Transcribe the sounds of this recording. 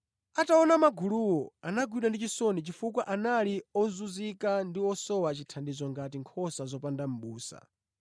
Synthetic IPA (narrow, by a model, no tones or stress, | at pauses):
ataɔnamaɡuluwɔanaɡwiɗandit͡ʃisɔnit͡ʃifukwaʔanaliɔzuzikandiɔsɔwat͡ʃitʰandizɔŋɡatiŋkʰɔsazɔpandam̩ɓuːsa̰